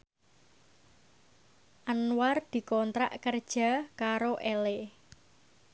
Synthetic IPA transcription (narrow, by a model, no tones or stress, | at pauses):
ʔanward̪̥i̤kɔnt̪ɾa̰ʔkərd̥ʒ̥a̤kaɾoʔele